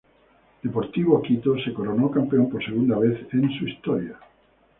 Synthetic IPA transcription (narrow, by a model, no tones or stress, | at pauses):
d̪̥epoɾt̪iβokit̪osekoɾonokampeompoɾseɣ̞und̪aβ̞eθẽnsuist̪oɾja